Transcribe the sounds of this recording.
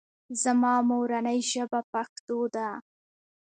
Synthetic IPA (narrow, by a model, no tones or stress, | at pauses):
zamɑmowɾanəjʒəbapaxt̪od̪a